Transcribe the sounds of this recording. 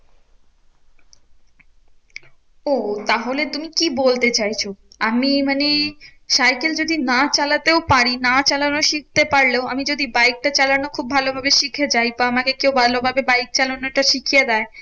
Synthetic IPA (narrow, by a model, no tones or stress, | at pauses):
ot̪aɦolet̪umikibolt̪et͡ɕajt͡ɕʰoamimaneʃajkeld͡ʑod̪inat͡ɕalat̪eopaɾinat͡ɕalanoʃik̚ʰt̪epaɾleoamid͡ʑod̪ibajk̚ʈat͡ɕalanokʰub̚ːʱalobʱabeʃikʰed͡ʑajpaamakekewbʱalobʱabebajk̚t͡ɕalonoʈaʃikʰijed̪ae